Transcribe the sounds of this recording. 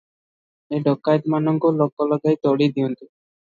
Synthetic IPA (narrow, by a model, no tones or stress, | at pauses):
eɖʱɔkːajt̪manɔŋkɔlɔkːɔlɔɡajt̪ɔɽid̪iɔnt̪i